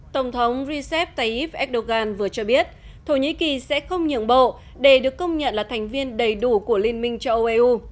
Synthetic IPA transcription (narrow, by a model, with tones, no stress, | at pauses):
t̪ə˧˩wŋ͡mt̪ʰə˨˦wŋ͡mzi˧sɛ˦˥p̚t̪a˧jʔi˦˥p̚ʔɛ˦˥k̚ɗo˧ɣaː˧nvɨ˨˩ət͡ɕɔ˧ɓi˦˥ət̚ | t̪ʰo˧˩ɲḭ˧˥ki˨˩sɛ̰˧˥xə˧wŋ͡mɲə̰˧˨ənɓo̰˧˨ | ɗe˧˩ɗɨ˨˩əkːə˧wŋ͡mɲə̰˧˨nlaː˨˩t̪ʰɛ˨˩jŋ̟vi˧ənɗə˨˩jɗu˧˩ku˧˩əli˧ənmï˧ŋ̟t͡ɕɔ˧ʔo˧ʔe˧ʔu˧